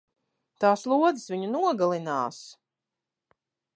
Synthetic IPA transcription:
t̪aːslˠuɔd̪zɨsviɲunuɔɡalˠina̰ːs

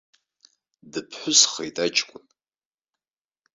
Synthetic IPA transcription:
dɨpʰħʷʊsχḛjtʼad͡ʒʼkʷʼʊn

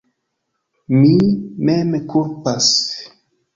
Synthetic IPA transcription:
mimemkʰulpas

